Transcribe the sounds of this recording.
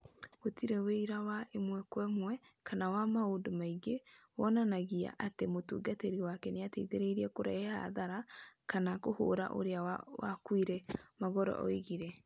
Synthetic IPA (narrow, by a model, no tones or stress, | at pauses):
otiɾeweiɾawaʔemwɛkwɛmwɛkanawamaodomaiɡewɔnanaɣia̰ʔatemotuɡateɾiwakɛnejateiðeɾeiɾiɛkoɾaeha̰ðaɾakanakoho̰ɾa̰ʔo̰ɾeawawa̰kwiɾɛmaɣɔɾɔ̰ʔɔ̰eɣiɾɛ